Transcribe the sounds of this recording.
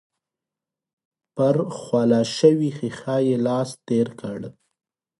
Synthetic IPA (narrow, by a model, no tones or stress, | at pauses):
pəɾxwɑlɑʃəwixixɑjelɑst̪eɾkəɽ